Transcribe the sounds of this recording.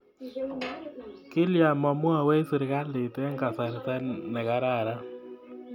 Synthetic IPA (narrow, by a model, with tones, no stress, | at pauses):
kɪ˦lja˨mɔ˨mwa˦˨wɛ˦sɪ˨ɾɣa˦lɪ˨tɛ˦ŋɡa˨sa˨ɾtɛ˦nɛ˨ɣa˦ɾa˦˨ɾa˦